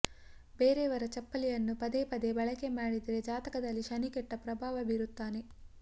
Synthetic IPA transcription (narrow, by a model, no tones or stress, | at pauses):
be̞ːɾeʋɐɾɐt͡ʃɐpːɐlijɐnːupɐd̪epɐd̪e̞bɐɭɐke̞maːɽid̪ɐɾed͡ʒaːt̪ɐkɐd̪ɐlːiʃɐnikɛʈːɐpɾɐbʱaːʋɐbiɾut̪ːaːne